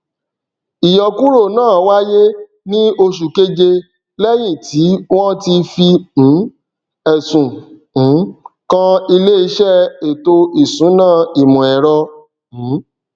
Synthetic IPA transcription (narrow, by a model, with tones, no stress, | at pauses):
i˨jɔ˨ku˦ɾo˦˨nãː˦˨wa˦je˦ | nĩ˦o˧ʃu˨ke˦d͡ʒe˧ | lɛ˦j̃ĩ˦˨tʰi˨˦w̃ɔ̃˦ti˧fi˧m̩̃˨˦ | ɛ˨sũ˨˦ | kã˦i˧le˦i˧˦ʃɛ˦e˨to˧i˨sũ˨˦nãː˦˨i˨mũ˨ɛ˨ɾɔ̃˧˨˦